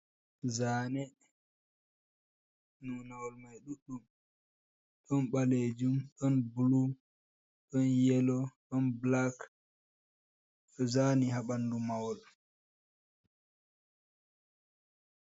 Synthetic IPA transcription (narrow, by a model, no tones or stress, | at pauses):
zaːnɛ | nunawɔlmajɗuɗːum | ɗɔnɓaled͡ʒumɗɔnbulu | ɗɔnjɛlɔɗɔnblak | ɔzaniɦaɓandumawɔl